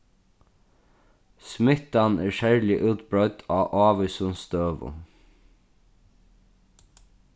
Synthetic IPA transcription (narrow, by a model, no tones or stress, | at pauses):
smɪt̪anæːɹʃæɹlɪʔʉːt̪bɹœʏt̪ʰɑːʔɑːʋʏsʊnst̪øːʋʊ̰